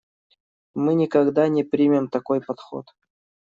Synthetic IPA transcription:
mɨnʲɪkɐɡd̪anʲɪpɾʲimʲɪmt̪ɐkojpɐt̪xo̰t̪

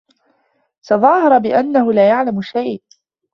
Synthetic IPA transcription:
sɑðˤɑːhɑɾˤɑbɪʔanːahʊlaːjaʕlamʊʃaj

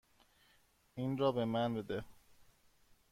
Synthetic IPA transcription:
inɾɒːbe̞mænbed̪e

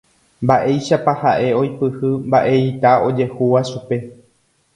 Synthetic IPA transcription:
mbaʔe̞jʃapahaʔe̞o̞jpɨhɨmbaʔe̞it̪ao̞d͡ʒe̞huʋaʃupe̞

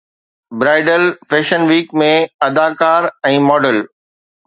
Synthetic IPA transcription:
bɾaːɪɖəlfeːʃənʋiːkmẽɐd̪aːkaːɾɛ̃ːmɔːɖəl

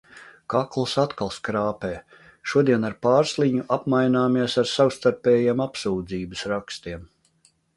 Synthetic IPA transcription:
kaklˠɨsat̪kalˠskɾaːpɛː | ʃuɔd̪iɛnaɾpaːɾslˠiɲuʔapmajnaːmiɛsaɾsawst̪aɾpɛːjiɛmapsuːd̪ziːbɨsɾakst̪iɛm

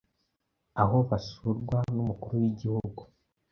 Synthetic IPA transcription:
aɦo̞βasuɾɡwanumukuɾuwiɟihuuɡu

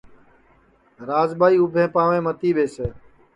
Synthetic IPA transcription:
ɾaːzɓaːiːʊbʱẽːpãːʋẽːmət̪iːɓeːseː

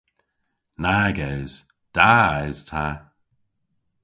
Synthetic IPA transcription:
naɡɛjz̥ | d̥aajz̥tʰa

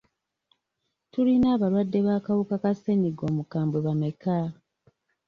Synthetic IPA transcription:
tulinaːβalwadːe̞βaːkawukakase̞niɡo̞ːmukaːmbweβame̞ka

